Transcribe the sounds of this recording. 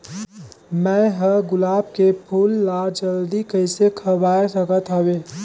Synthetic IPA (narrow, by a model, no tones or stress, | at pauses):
mɛ̃ːɦəɡʊlaːb̚kepʰuːlːad͡ʒəld̪ikəɪsekʰəwaːesəkət̪ɦəweː